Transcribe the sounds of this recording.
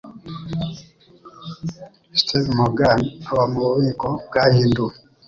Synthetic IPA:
stʰevmoɡanaβamuβuβiːkob̚ɡahiːndu

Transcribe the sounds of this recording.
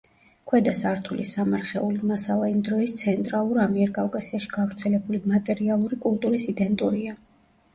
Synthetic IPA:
kʰwɛd̪asaɾt̪ʰulʔḭsamaɾχɛulimasalˠaimd̪ɾɔist̪sʰɛnt̪ʼɾalˠuɾamiɛɾkʼavkʼasiaʃi̥ɡ̥avɾt̪sʰɛlɛbulimat̪ʼɛɾialˠuɾikʼulˠt̪ʼuɾisid̪ɛnt̪ʼuɾia

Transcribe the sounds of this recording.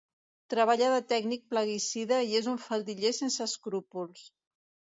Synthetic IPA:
t̪ɾəβaʎaðət̪ɛɡnik̚pləɣ̞isiðəiezuɱfalˠd̪iʎesensəskɾupulˠs

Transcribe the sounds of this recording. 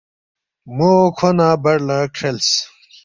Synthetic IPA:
mokʰonabɐɽlakʰels

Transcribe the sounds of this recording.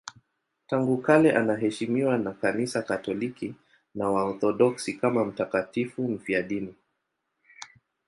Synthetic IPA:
taŋɡukalɛʔanaɦɛʃimiwanakanisakatɔliki | nawaɔθɔɗɔksikamam̩takatifum̩fiaɗini

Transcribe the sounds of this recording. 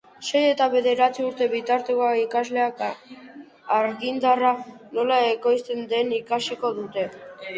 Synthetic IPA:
se̞je̞t̪aβe̞ðe̞ɾat͡siuɾt̪e̞βit̪aɾt̪ekoakikazle̞aka | aɾɣind̪arano̞lae̞ko̞jst̪e̞nd̪e̞nikasiko̞ðut̪e̞

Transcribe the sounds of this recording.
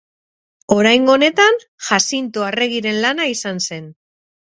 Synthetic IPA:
o̞ɾajŋɡo̞ne̞t̪an | ʝasint̪oare̞ɣiɾe̞nlanaisanse̞n

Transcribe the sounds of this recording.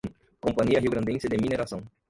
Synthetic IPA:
kõmpaɲiɐɦiwɡɾɐ̃nd̪ẽsɪd̪ɪmineɾasɐ̃w̃

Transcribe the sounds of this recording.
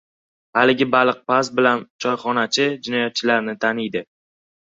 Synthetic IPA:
halɪɡʲɪbalˠɨq̚pasbɪlant͡ʃʰɒjχɒnat͡ʃʰɪd͡ʒɪnɒjat̪̚t͡ʃʰɪlaɾnɪt̪ʰanɪjd̪ɪ

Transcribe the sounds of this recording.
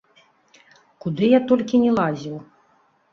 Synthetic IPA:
kud̪ɨjat̪ɔlʲkʲinʲɛlˠazʲiw

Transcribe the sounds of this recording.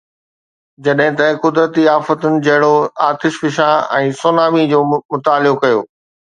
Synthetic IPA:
d͡ʑɐɗɦɪ̃t̪ɐkʊd̪ɾət̪iaːfət̪ʊnɪ̆d͡ʑɐɦɪɽoaːt̪ɪʃʋɪʃaɛ̃ːsoːnaːmid͡ʑoːmʊt̪aːlɪokɐjoː

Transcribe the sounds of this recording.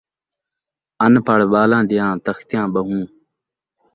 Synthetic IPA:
ɐnpaɽɓaːlãːd̪ɪjãːt̪ɐxt̪jãːbɐɦũː

